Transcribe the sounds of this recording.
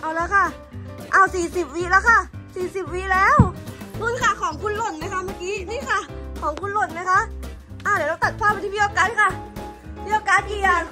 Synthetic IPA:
ʔa˧˩wlɤː˧˥kʰa˧˩ | ʔa˧˩wsiː˨˩si˨˩p̚wiː˦˥lɛː˦˧˥wkʰa˧˩siː˨˩si˨˩p̚wiː˦˥lɛː˦˥˨wnuː˧˥˨nkʰa˧˩kʰɔː˨˩˦ŋkʰu˧˥˨nlo˧˩n̚ma˧˦˥jkʰa˦˥maː˧˥˩kiː˧˥˨niː˧˥˨kʰa˧˩kʰɔː˨˦ŋkʰu˧˥˨nlo˧˩n̚ma˦˥jkʰa˦˥ʔʔaː˧˩dlaː˧t̪a˨˩t̪̚pʰaː˥˩p̚ːt̪ʰiː˧˦iː˧oː˧˩kaː˨˧˥n̚kʰa˧˩ | pʰiː˧˥˨oː˧˩kaː˨˥t̪̚ʔiː˧˩a˨

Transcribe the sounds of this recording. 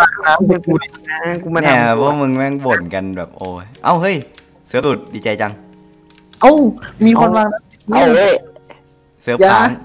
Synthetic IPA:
aː˧˩˧laː˨˧˦ku˧ku˧˩na˧˥ku˧˦ma˧nɛa˧˨˧bɔː˧˥˦mɯ˧ŋwɛː˧˥˩ŋbo˨˩nka˧nbɛː˨˩p̚ʔoː˧˩ʔa˧˩wɦɤ˧˥˩j | sɯ˧˦ə˦lu˨˩t̪̚diː˧˩t͡ɕa˧jt͡ɕa˧ŋ | ʔa˧˥˩wmiː˧kʰɔ˧nwaː˧ŋda˧˥i˧˩na˧˩˨ | sɯ˧˦˧jaː˧˦˨ŋ

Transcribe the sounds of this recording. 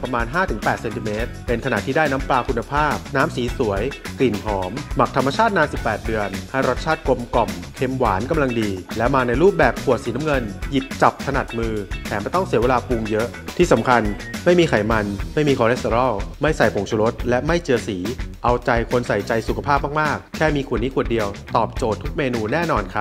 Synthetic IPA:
pɾa˧maː˧nɦaː˥˩t̪ʰɯ˩˦ŋpɛː˨˩t̪̚se˧nt̪i˧meː˦˥t̪̚pe˧nkʰa˧na˨˩t̪ʰiː˥˩daː˥˩jna˦˥mplaː˧kʰu˧nːa˧pʰaː˥˩p̚naː˦˥msiː˩˦su˩˦əjkli˨˩nɦɔː˩˦mːa˨˩k̚t̪ʰa˧mːa˧t͡ɕʰaː˥˩t̪̚naː˧nsi˨˩pːɛː˨˩t̪̚dɯ˧ənha˥˩jɾo˦˥t̪̚t͡ɕʰaː˥˩t̪̚ko˧mkɔ˨˩mkʰe˧mwa̰ː˩˦nka˧mla˧ŋdiː˧lɛ˦˥wmaː˧na˧jɾuː˥˩p̚bɛː˨˩p̚kʰu˨˩ət̪̚siː˩˦na˦˥mŋɤ˧nji˨˩p̚t͡ɕa˨˩p̚t̪ʰa˧na˨˩t̪̚mɯː˧t̪ʰɛː˩˦mbaː˧˩t̪ɔ˥˩ŋsi˨˩˦weː˧laː˧pu˧ŋjɤ˦˥ʔ | t̪ʰiː˥˩sa˩˦mkʰa˧n | ma˥˩jmiː˧kʰa˨˩jma˧nma˥˩jmiː˧kʰɔː˧ɾe˦˥t̪e˧ɾɔ˥˩wma˥˩jsa˨˩jpʰo˨˩˦ŋt͡ɕʰu˧ɾo˦˥t̪̚lɛ˦˥ma˥˩jt͡ɕɯ˧əsiː˩˦ʔa˧wt͡ɕa˧jkʰo˧nsa˨˩jt͡ɕa˧jsu˨˩kʰa˧pʰaː˥˩p̚maː˥˩k̚maː˥˩k̚ʰːɛː˥˩miː˧kʰu˨˩ənːiː˦˥kʰu˨˩ət̪̚di˧əwt̪ɔː˨˩p̚t͡ɕoː˨˩t̪ʰːu˦˥k̚meː˧nuː˧nɛː˥˩nɔː˧nkʰa˦˥

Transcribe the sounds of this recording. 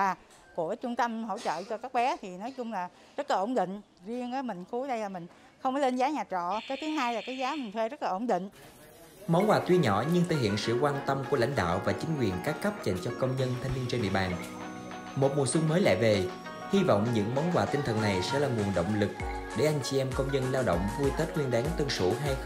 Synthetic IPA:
aː˨˩ | ku˧˩ət͡ɕʊ˧ŋ͡mt̪ə˧mɦo̰˧˥t͡ɕə̰ː˧˨t͡ɕɔ˧kaː˦˥k̚ɓɛ˨˦t̪ʰi˨˩nɔ˨˦jt͡ɕʊ˧ŋ͡mlaː˨˩ | zə˦˥t̚laː˨˩ʔo˧˩wŋ͡mɗḭ̈˧˨ŋ̟ | zi˧əŋʔəː˨˦mï˨˩ŋ̟xu˨˦ɗə˧jlaː˨˩mï˨˩ŋ̟ | xə˧wŋ͡mkɔ˨˦le˧nzaː˨˦ɲaː˨˩t͡ɕɔ̰˧˨kaː˨˦jt̪ʰi˨˦əŋɦaː˧jlaː˨˩kaː˨˦jzaː˨˦mï˨˩ŋ̟t̪ʰwe˧zə˦˥t̚la˨ʔo˧˩ŋ͡mɗḭ̈˧˨ŋ̟ | mɔ˨˦wnwaː˨˩t̪wi˧ɲɔ˧˥ɲɨ˧ŋt̪ʰəː˧˩jhḭ˧˨ənsɨ̰˧˨kwaː˧nt̪ə˧mku˧˩əla̰˧˥jŋ̟ɗa̰ː˧˨wvaː˨˩t͡ɕï˨˦ŋ̟kwi˨˩ənkaː˦˥kːa˦˥p̚t͡ɕə̰˧˨nt͡ɕɔ˧kə˧wŋ͡mɲə˧nt̪ʰa˧jŋ̟vi˧ənt͡ɕe˧nɗḭ˧˨əɓaː˨˩n | mo˨˩t̚mu˨˩swɨ˧ŋməː˨˦jla̰ː˧˨ve˨˩ | hi˧vɔ̰˧˨wŋ͡mɲɨ̰˧˥ŋmɔ˨˦nkwaː˨˩t̪i˧ŋ̟t̪ʰə˨˩na˨˩jsɛ̰˧˥laː˨˩ŋwu˨˩ənɗə̰˧˨wŋ͡mlɨ˨˩k̚ɗe˧˩ʔa˧jŋ̟t͡ɕi˧ʔɛ˧mkə˧wŋ͡mɲə˧nlaː˧wɗə̰˧˨wŋ͡mvu˧jt̪ə˦˥t̚hwi˧ənɗaː˨˦ŋt̪wə˧ŋsṵ˧˩ɦa˧j

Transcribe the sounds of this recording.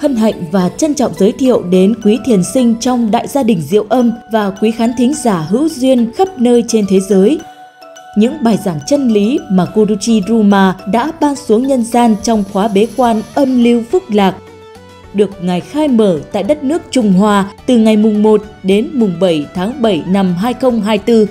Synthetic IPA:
hə˧nɦa̰˧˨jŋ̟vaː˨˩t͡ɕə˧nt͡ɕɔ̰˧˨wŋ͡mzəː˨˦jt̪ʰḭ˧˨əwɗe˨˦nkwi˨˦t̪ʰi˨˩ənsï˧ŋ̟t͡ɕɔ˧wŋ͡mɗa̰ː˧˨jzaː˧ɗï˨˩ŋ̟zḭ˧˨əwʔə˧mvaː˨˩kwi˨˦xaː˨˦nt̪ʰi˨˦ŋ̟zaː˧˩ɦɨ̰˧˥wzwi˧ənxə˦˥p̚nəː˧jt͡ɕe˧nt̪ʰe˨˦zəː˨˦j | ɲɨ̰˧˥ŋɓaː˨˩jzaː˧˩ŋt͡ɕə˧nli˨˦maː˨˩ko˧ɾu˧t͡ɕi˧zu˧maː˧ɗa̰ː˧˥ɓaː˧nsu˨˦əŋɲə˧nzaː˧nt͡ɕɔ˧wŋ͡mxwaː˨˦ɓe˨˦kwaː˧nʔə˧mli˧wfɨ˦˥k̚laː˨˩k̚ | ɗɨ˨˩ək̚ŋa˨˩jxaː˧jməː˧˩t̪a̰ː˧˨jɗə˦˥t̚nɨ˦˥ək̚t͡ɕʊ˧˩ŋ͡mɦwaː˧t̪ɨ˨˩ŋa˨˩jmʊ˨˩ŋ͡mmo˨˩t̚ɗe˨˦nmʊ˨˩ŋ͡mɓə˧˩jt̪ʰaː˨˦ŋɓə˧˩jna˨˩mɦaː˧jxə˧wŋ͡mɦaː˧jt̪ɨ˧

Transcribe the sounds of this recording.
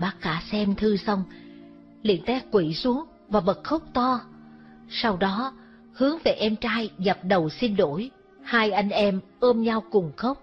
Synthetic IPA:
ɓaː˦˥k̚kaː˧˥sɛ˧mt̪ʰɨ˧sa˧wŋ͡m | lḭ˧˨ənt̪ɛ˦˥kwi˧˩su˨˦əŋ | vaː˨˩ɓə˨˩t̚xə˦˥wk͡p̚t̪ɔ˧ | sa˧wɗɔ˨˦ | hɨ˨˦əŋve˨˩ʔɛ˧mt͡ɕaː˧jɣa˨˩p̚ɗə˨˩wsi˧n̟ɗo˧˩j | haː˧jʔa˧jŋ̟ʔɛ˧mʔəː˧mɲa˧wkʊ˨˩ŋ͡mxə˦˥wk͡p̚

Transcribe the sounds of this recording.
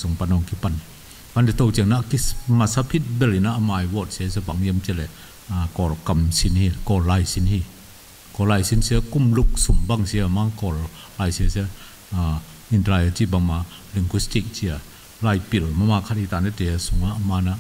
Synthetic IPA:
su˨ŋpa˧˨nɔ˧˨ŋki˧˦pa˧˨ni˨ | pa˧ndi˧t̪o˧wt͡ʃi˧ə˨ŋna˧ki˧˦ma˧˨sa˧pʰi˦t̚bɛ˧˨li˨na˦˧ʔa˧ma˧jwɔ˧˨t̚si˧a˦s̬ɛ˧˦ba˨˦ŋji˧˦mt͡ʃi˧˨lɛ˨ | a˨kɔ˧˨lka˧˨msi˧˦nhi˧kɔ˧la˧˨jsi˧˦nhi˧ | kɔ˧˨laː˧˨jsi˧˦nsi˧˦ə˦ku˧˨mlu˧˨k̚su˨ŋba˧˨ŋsi˧a˧ma˧˦kɔ˧˨l | la˧jsi˧sɛ˧˦ | a˨ | i˧˨ntla˧ja˧t͡ʃi˧ba˧˨ŋma˧ | li˧ŋɡwi˧˦sti˧˨k̚t͡ɕi˧a˨ | la˧˨jpi˨lma˧˦ma˧˨kʰa˧t̚i˧t̪a˨nɛ˧tɛ˨a˧su˨˦ŋa˧˦ʔma˧na˧ʔ

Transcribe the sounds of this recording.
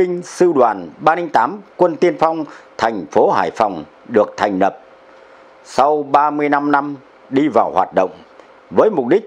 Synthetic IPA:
ï˧ŋ̟sɨ˧ɗwaː˨˩nɓaː˧ni˧ŋt̪aː˨˦mkwə˧nt̪i˧ənfa˧wŋ͡mt̪ʰɛ˨˩jŋ̟fo˨˦ɦa̰ː˧˩jfa˨˩wŋ͡m | ɗɨ˨˩ək̚t̪ʰɛ˨˩jŋ̟lə˨˩p̚ | sa˧wɓaː˧mɨ˧əjna˧mna˧m | ɗi˧vaː˨˩whwaː˨˩t̚ɗə̰˧˨wŋ͡m | vəː˨˦jmʊ˨˩k͡p̚ɗï˦˥k̟̚

